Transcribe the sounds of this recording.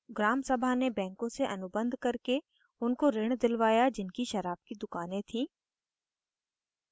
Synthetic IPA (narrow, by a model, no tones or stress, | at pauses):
ɡɾaːmsɐbʱanebɛ̃ːŋkõseʔɐnʊbə̃nd̪ʱkɐɾke | ʊnkoɾɪɽ̃d̪ɪlʋaːjad͡ʒɪnkiʃɐɾaːb̚kid̪ʊkaːnẽt̪ʰĩː